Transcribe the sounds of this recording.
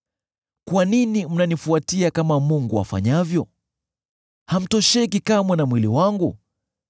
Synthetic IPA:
kwaninim̩nanifuatiakamamuŋɡua̰fa̰ɲavjɔ | ham̩tɔʃɛkikamwɛnamwiliwaŋɡṵ

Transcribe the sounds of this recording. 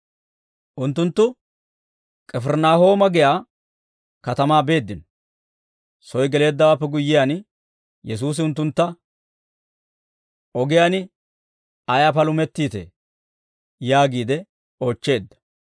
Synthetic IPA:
ʔʊnt̪ːʊnt̪ːʊ | kʼɛfɛɾnaːho̞ːmɐɡɪjaː | kɐt̪ɐmaːbe̞ːd̪ːɪnɔ | sɔjɡɛle̞ːd̪ːɐwaːpːɛɡʊjːɪjaːn | jɛs̬uːs̬ɪʊnt̪ːʊnt̪ːɐ | ʔɔɡɪjanɪ | ɐjapɐlʊmɛt̪ːiːt̪ɛ̰ | jaːɡiːd̪ɛ | o̞ːt͡ʃːe̞ːd̪ːɐ̥

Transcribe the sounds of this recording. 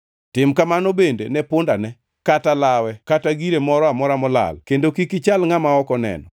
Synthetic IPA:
tɪmkamanobendḛnɛpʊndanɛ | katalawɛkataɡiɾemɔɾɔamɔɾamɔla̰lkendokikit͡ʃalŋamaɔkɔnɛ̰nɔ

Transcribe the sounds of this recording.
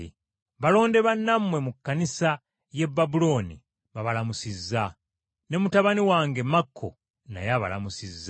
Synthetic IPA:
βalo̞ːnde̞βanːamwe̞mukːanisa | je̞bːabulo̞nḭ | βaβalamusizːa | ne̞mutaβaniwaːŋɡe̞makʰːo̰ | na̰jaβa̰la̰musizː

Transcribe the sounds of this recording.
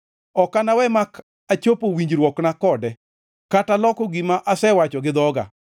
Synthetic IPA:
ɔkanawɛmak | at͡ʃopowiɲd͡ʒɾwɔknakɔdɛ | katalɔkɔɡimaʔasɛwat͡ʃɔɡɪd̪ɔɡa̰

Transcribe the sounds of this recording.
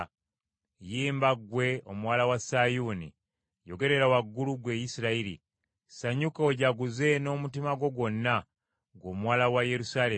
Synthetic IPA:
jiːmbaɡwe̞o̞muwaːlawasajunḭ | jo̞ɡe̞ɾe̞ɾawaɡːuluɡwe̞jisiɾaiɾḭ | saɲukoɟaɡuze̞no̞ːmutimaɡo̞ɡwo̞nːa | ɡo̞ːmwaːlawaje̞ɾusaːle

